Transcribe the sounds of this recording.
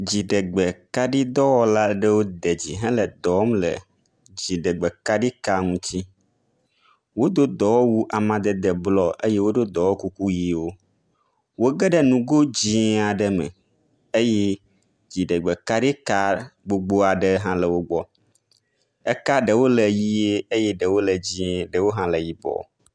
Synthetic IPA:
d͡ʑi˨ɖə˨ɡ͡bə˨ka˦ɖi˦d̪ɔ˦wɔ˦la˦ɖə˦wo˦d̪ə˨d͡ʑi˨ɦɛ̃˦lə˨d̪ɔ˨˦mlə̰˨ | d͡ʑi˨ɖə˨ɡ͡bə˨ka˦ɖi˦ka˦ŋũ˦t͡ɕi˦ | wo˦d̪o˦d̪ɔ˨wɔ˦wu˦ʔa˨mã˨d̪ə˨d̪ə˨blɔ˦ʔe˦je˦wo˦ɖo˦d̪ɔ˨wɔ˦ku˦ku˦ji˨wo˦ | wo˦ɡə˦ɖə˦nũ˨ɡo˦d͡ʑi˦a˨ɖə˦mə̰̃˨ | e˦je˦ | d͡ʑi˨ɖə˨ɡ͡bə˨ka˦ɖi˦ka˦ɡ͡bo˨ɡ͡bo˦a˨ɖə˦ɦã˦lə˨wo˦ɡ͡bɔ˦ | ə˦ka˦ɖə˨wo˦lə˨ji˦e˦e˦jɛ˦ɖə˨wo˦lə˨d͡ʑĩ˨ɖə˨wo˦ɦã˦lə˨ji˨bɔ̰˨

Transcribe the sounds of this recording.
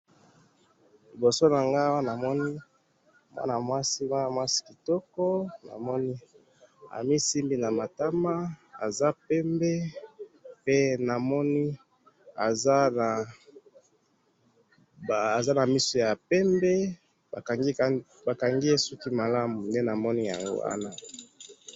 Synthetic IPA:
li˨bo˨so˦na˨ŋɡa˦wa˦na˨mɔ˦ni˦ | mwa̰˦na˨mwa˦si˦ma˦a˨mwa˦si̥˦ki˨tɔ˦kɔ˦na̰˨mɔ˦ni˦ | a̰˨mi˦si˦mbi˦na˨ma˨ta˦ma˦a̰˨za˦pɛ˦mbɛ˦ | pe˦na˨mɔ˦ni˦ | a˨za˦na˨ | bːza˦na˨mi˦so˦ja˨pɛ˦mbɛ˦ | a˨˦ | ba˨ka˨ŋɡi˦e˦sɔ˦ki˦ma˨la˦mu˨nde˦na˨mɔ˦ni˦ja̰˨ŋɡo̰˦a̰˦na˦

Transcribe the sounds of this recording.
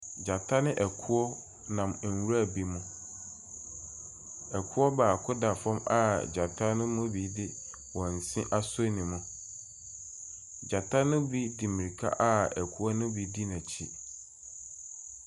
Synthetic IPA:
d͡ʑa˨tʰa˦nɪ̃˦ʔɛ˨kʰu˦ɔ˦ | nã˨m̩˨n˨wɾa˦˨bi˦mʊ̃˦ | ɛ˨kʰʊ˦ɔ˦baː˨kʰʊ˦da˨fɔ̃˦ma̰˦˨d͡ʑa˨tʰa˦nʊ̃˦mʊ̃˦bi˨˦dɪ˦ | wɔ̃˨n̩˨sɪ̃˦ʔa˦so˦nĩ˨mʊ̃˨ | d͡ʑa˨tʰa˦nʊ̃˦bi˦di˨mĩ˨ɾi˨kʰa̰˦ʔa˦ɛ˨kʰu˦ɔ˦nʊ̃˦bi˦di˦nã˨t͡ɕʰi˦

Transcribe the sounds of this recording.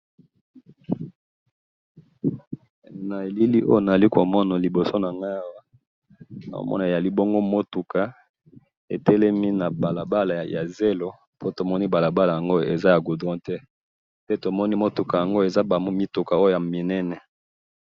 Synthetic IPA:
na˨e˨li˦li˦ʔo̰˦jo˦˨na˨za˨li˦ko˨mɔ˦na˨li˨bo˨so˦na˨ŋɡa˦a˦˨wa˦ | na˨o̰˦mɔ̰˦na˨e˨a˨li˦bo˦ŋɡo˦mo˦tu˨ka˨ | e˨tɛ˦lɛ˦mi˦na˨ba˨la˨ba˦la˨ja˨ze˦lo˦ | po˦to˨mɔ˦ni˦ba˨la˨ba˦la˨ja˨ŋɡo˦e˨za˦ja˨ɡu˨dʁɔ̃˦tɛ˦ | pe˦to˨mɔ˦ni˦mo˦tu˨ka˨ja˨ŋɡo˦e˨za˦ba˨mo˦mi˦tu˨ka˨o˦jo˦˨ja˨mi˨nɛ˦nɛ˨

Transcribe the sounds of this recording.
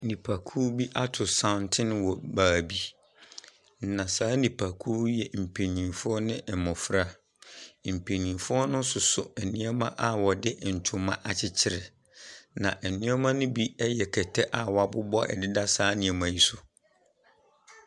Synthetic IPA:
nĩ˨pʰa˨kʰuː˦bi˦ʔa˦tʰʊ˨sã˨ʊ̃˨ntʰɪ̃˦n˦wɔ˨baː˨bi˦ | n̩˨nã˨saː˨˦nĩ˨pʰa˨kʰuː˦jɛ˨m̩˨pʰe˨nĩ˨fʊ˦ɔ˦nɪ̃˦˨mʊ̃˨fɾa˦ | m̩˨pʰe˨nĩ˨fʊ˦ɔ˦nʊ̃˦sʊ˨sʊ˨ɛ˨nɪ̃˦ɛ˦mã˦ʔa˨wɔ˨dɪ˦n̩˨tʰʊ̃˨mã̰˦ʔa˨t͡ɕʰɪ˦t͡ɕʰɪ˦ɾɛ˨ | nã̰˨ʔɛ˨nɪ̃˦ɛ˦mã˦nʊ̃˦bi˦ɛ˦jɛ˨kʰɛ˨tʰɛ˦ʔa˨wɔ˨a˨bʊ˦bɔ˦ʔɛ̰˨dɪ˦da˦saː˦nĩ˨ɛ˨mã˨ji˦sʊ˨

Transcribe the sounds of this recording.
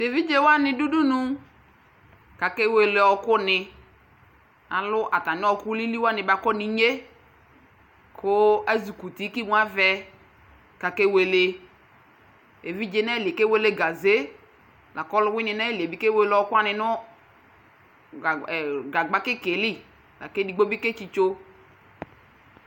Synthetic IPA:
te˨vi˦d͡ʒe˦wa˦nɪ̃˧du˦du˦nu˦ | ka˨ke˦we˨le˨ɔ˧kʊ˦nɪ˧ | a̰˨lʊ˦ʔa˨ta˨nɪ˦ɔ˧kʊ˦li˦li˦wa˦nɪ˨ba˨kɔ˦ni˦ɲe˦ | kʰʊ˦a˦zu˨ku˨ti˨˦ki˦ŋʷ˦a˦vɛ˦ | ka˨ke˦we˨le˨ | e˨vi˦d͡ʒe˦nɛ˦˨li˨ke˦we˦le˦ɡa˨ze˦ | la˨kɔ˦lʊ˦wɪ˦nɪ˨nɛ˦li˨e˨bi˦ke˦we˦lɔ˦kʊ˦a˦nɪ˨nʊ˦˨ | ɡa˨ɡ͡ba˦kɪ˦ke˨li˦ | la̰˨ke˦di˨ɡ͡bo˦bi˦ke˦t͡ʃi˦t͡ʃo˦

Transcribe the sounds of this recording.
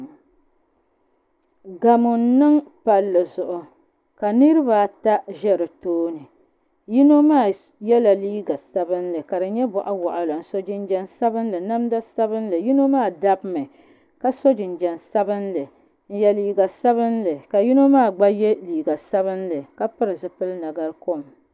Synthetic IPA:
ɡa˨mʊ˨n˦nɨ˦ŋpa˨lːɨ˨zʊ˨ʔʊ˨ | ka˨nɨ˦ɾɨ˦βa˨ta˦ʒɛ˦ɾɨ˨toː˦nɨ˨ | ji˦no˦maː˦˨ | jɛ˦la˨liː˦ɡa˨sa˦bɨ˦nlɨ˨ka˨dɨ˨˦ɲɛ˦bɔ˨ʔa˦wa˨ʔa˨la˨n̩˨so˦d͡ʒɪ˦n˦d͡ʒɛ˦nsa˦bɨ˦n˦lɨ˨na˦mda˦sa˦bɨ˦n˦lɨ˨ji˦no˦maː˦˨da˦bmɨ˨ | ka˦so˦d͡ʒɪ˨n˨d͡ʒɛ˨nsa˦bɨ˦nlɨ˨ | n̩˦jɛ˨liː˨ɡa˨sa˦βɨ˦nlɨ˨ka˨ji˦no˦maː˦˨ɡ͡ba˦jɛ˦liː˨ɡa˨sa˦βɨ˦nlɨ˨ka˦pɨ˦ɾɨ˨zɨ˨pɨ˦lna˨ɡa˦ɾko˦˨m

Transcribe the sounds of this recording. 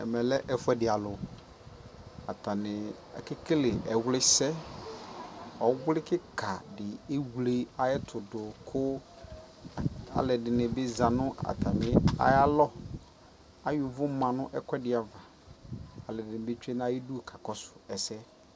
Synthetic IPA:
ɛ̰˨mɛ̃˨lɛ˦ʔɛ˦fʊ˦ɛ˦dɪ˨a˨lʊ˨ | a̰˨tʰa˨nɪ̃˨ | ɛ̰˨kɪ˦kɪ˦lɪ˨ɛ˨wlɪ˦sɛ˦ | ɔ˨˦wʊ˦lɪ˦kɪ˦kʰa˨dɪ˨e˦wle˦a˨jɛ˦tʰʊ˨dʊ˨kʰʊ˦ | a̰˨lɛ˨dɪ˨nɪ̃˨bɪ˦za˨nʊ̃˦a̰˨tʰa˨nɪ˨a̰˦ja˦lɔ˦ | a˨jʊ˨vʊ˦mã˨nʊ̃˦ʔɛ˦kʷɛ˦dɪ˨a˨va˨ | a˨lɛ˨dɪ˨nɪ̃˨be˦t͡ʃᶣɛ˦n˦a˦ji˦du˦˨kʰa˨kɔ˦sʊ̥˨ɛ˨sɛ˦

